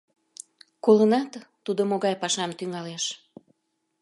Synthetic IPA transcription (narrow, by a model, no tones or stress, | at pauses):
kolənɑt̪ː | ud̪omoɣɑjpɑʃɑmt̪yŋɑleʃ